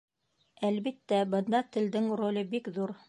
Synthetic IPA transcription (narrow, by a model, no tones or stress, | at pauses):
ælβit̪ːæbɤ̆nd̪ɑt̪ɘ̆ld̪ɘŋrolʲɤbikðuɾ